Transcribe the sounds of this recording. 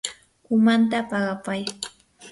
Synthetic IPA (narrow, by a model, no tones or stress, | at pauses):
ʊmant̪̬apɑɢɑpaj